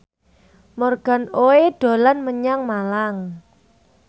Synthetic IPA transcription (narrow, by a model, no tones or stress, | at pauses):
mɔrɡ̥a̤noeɖ̥o̤lanməɲaŋmalaŋ